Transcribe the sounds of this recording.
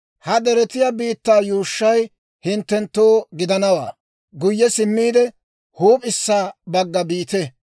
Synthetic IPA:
hɐd̪ɛɾɛt̪ɪjabiːt̪ːaːjuːʃːɐj | hɪnt̪ːɛnt̪ːoːɡɪd̪ɐnɐwa̰ː | ɡʊjːɛsɪmːiːd̪ɛ | huːpʼɪsːaːbɐɡːɐbiːt̪ɛ

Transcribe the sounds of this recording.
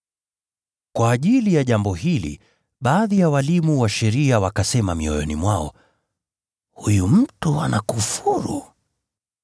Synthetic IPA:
kwaːʄilijaʄambɔhilḭ | ɓaːðijawalimuwaʃɛɾiawakasɛmamiɔjɔ̰nimwaɔ | hujum̩tua̰nakufuɾṵ

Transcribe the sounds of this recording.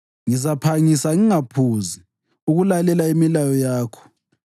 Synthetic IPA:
ŋizapʰaŋisaŋiŋapʰuzi | uɣulalɛlaimilajɔjaːkʰɔ̥

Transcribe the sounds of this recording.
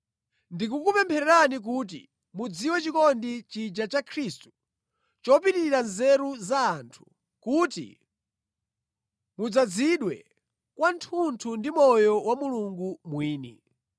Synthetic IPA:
ndikukupɛmpʰɛɾɛɾanik̬uːt̬ḭ | mud͡ziwɛt͡ʃikɔndit͡ʃid͡ʒat͡ʃakʰɾistu̥ | t͡ʃɔpitiiɾanzɛɾuzaːntʰu̥ | kutḭ | mud͡zad͡ziɗwɛ̰ | kwantʰuntʰundimɔjɔwamuluŋɡumwiːnḭ

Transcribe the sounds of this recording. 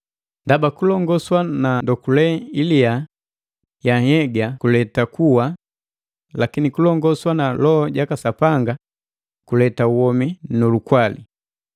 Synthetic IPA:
ndabakulɔŋɡɔswanandɔkulɛilia | jahɛɡakulɛtakuwa | lakinikulɔŋɡɔswanalɔːɟakasapaŋɡa | kulɛtauwɔminɔlukwalḭ

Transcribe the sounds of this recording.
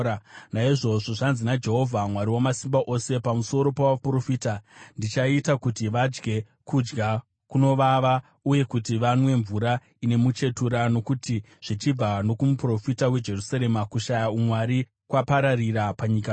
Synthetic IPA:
naiʐo̞ʐo̞ʐanzinad͡ʒe̞ɦo̞vʱamwaɾiwamasimbaʔo̞se̞pamuso̞ɾo̞pawapro̞fiːtandit͡ʃaitakutiʋad͡ʒɡe̞ | kud͡ʒɡa | kuno̞ʋaʋa | uje̞kutiʋanwe̞ɱvuɾa | ine̞mut͡ʃe̞tuɾano̞kuti | ʐ̥it͡ʃib͡vano̞kumupro̞fitawe̞d͡ʒe̞rusaɾe̞makuʃajaumwaɾi | kwapaɾariɾapaɲika

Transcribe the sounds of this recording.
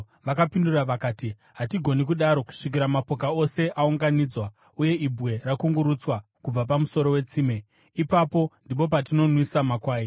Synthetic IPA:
ʋakapinduraʋakaːti | ɦatiɡʱo̞nik̬uɗaɾo̞ku̥ʂik̬iɾamapo̞kao̞se̞ʔauŋɡanid͡zwa | uje̞ibʱwe̞rakuŋɡuɾut͡swa | kub͡vap̬amuso̞ɾo̞we̞t͡siːme | ipapo̞ndip̬o̞p̬at̬ino̞nwisamakwaːi

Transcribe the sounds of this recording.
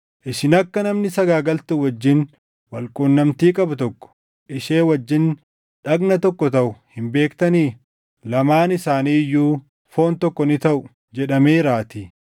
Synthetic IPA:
ʔɪʃɪnɐkːɐnɐmnɪsɐɡaːɡɐlt̪ʊwɐd͡ʒːɪn | wɐlkʼuːnːɐmt̪iːkʼɐbʊt̪ɔkːɔ̥ | ʔɪʃeːwɐd͡ʒːɪn | ᶑɐɡnɐt̪ɔkːɔt̪ɐʔʊhɪmbe̞ːkt̪ɐniː | lɐmaːnɪsaːniːjːuː | fo̞ːnt̪ɔkːɔnɪt̪ɐʔʊ | d͡ʒɛᶑɐmeːɾaːt̪iː

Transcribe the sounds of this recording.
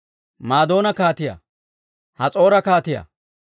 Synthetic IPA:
maːd̪o̞ːnɐkaːt̪ɪjɐ̰ | hɐt͡sʼo̞ːɾɐkaːt̪ɪjɐ̰

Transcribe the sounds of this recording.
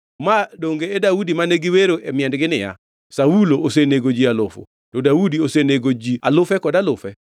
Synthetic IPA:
madoŋɡeːdaudimaneɡɪweɾoʔemɪɛndɡɪnɪja̰ | sauloʔoseneɡod͡ʒialʊfʊ̰ | tɔdaudioseneɡod͡ʒia̰lʊfɛkɔdalʊfɛ

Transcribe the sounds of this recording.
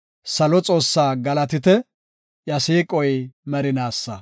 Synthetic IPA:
sɐlɔt͡sʼo̞ːsːaːɡɐlɐt̪ɪt̪ɛ | jɐseːkʼɔjmɐɾɪnaːsːɐ

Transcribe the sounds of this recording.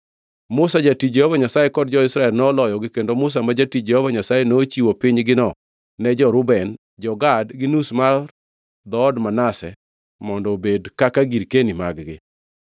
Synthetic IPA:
mʊsad͡ʒatit͡ʃd͡ʒɛhɔvaɲasajekɔdd͡ʒɔɪsɾaɛlnɔlɔjɔɡɪkendomʊs̬amad͡ʒatit͡ʃd͡ʒɛhɔvaɲasajenoːt͡ʃiwopiɲɡɪnɔ | nɛd͡ʒɔɾʊbɛn | d͡ʒɔɡadɡɪnusmar | d̪ɔːdmanasɛ | mɔndɔbedkakaɡiɾkenimaɡɡɪ̰

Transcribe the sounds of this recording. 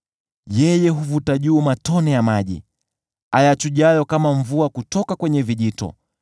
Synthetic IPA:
jɛjɛɦuvutaʄuːmatɔnɛjamaʄḭ | ajat͡ʃuʄajɔkamaɱvuakutɔkakwɛɲɛviʄitɔ̰

